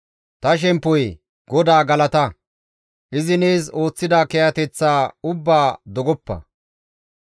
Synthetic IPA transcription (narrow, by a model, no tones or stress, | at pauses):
t̪ɐʃ̬ɛmpːɔj | ɡɔd̪aːɡɐlɐt̪ɐ | ʔɪzɪneːzo̞ːt͡sːɪd̪aːkɛjɐt̪ɛt͡sːaːʊbːaːd̪ɔɡɔpːɐ̰